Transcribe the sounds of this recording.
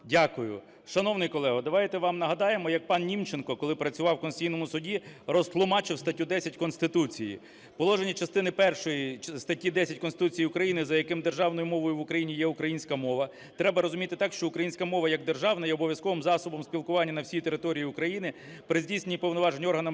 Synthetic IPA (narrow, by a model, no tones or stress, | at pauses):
dʲakʊjʊ̰ | ʃɐnɔwnɪjkɔlˠɛɦɐd̪ɐʋɑjt̪ɛʋɑmnɐɦɐd̪ɑjemɔjɐk̚pɑnnʲimt͡ʃenkɔkɔlˠɪpɾɐt͡sʲʊʋɑwkɔnsʲtʲijnɔmʊsʊdʲirɔst̪lˠʊmɑt͡ʃɪwst̪ɐtʲud̪ɛsʲɐtʲkɔnst̪ɪt̪ut͡sʲijḭ | pɔlˠɔʒenʲit͡ʃɐst̪ɪnɪpɛrʃɔjist̪ɐtʲid̪ɛsʲɐtʲkɔnsɪt̪ut͡sʲijiʊkɾɐjinɪzɐjɐkɪmd̪erʒɑwnɔjʊmɔʋɔjʊʋʊkɾɐjinʲijɛʊkɾɐjinʲsʲkɐmɔʋɐ | t̪ɾɛbɐɾɔzʊmʲit̪ɪt̪ɑkʃt͡ʃɔʊkɾɐjinʲsʲkɐmɔʋɐjɐɡ̚d̪erʒɑwnɐjɛɔbɔʋʲjɐskɔʋɪmzɑsɔbɔmsʲpʲilˠkʊʋɑnʲːɐnɐwsʲijit̪e̞ɾɪt̪ɔɾʲijiʊkɾɐjinɪ | pɾɪzʲdʲijsʲnenʲipɔwnɔʋɑʒenʲiɔrɦɐnɐm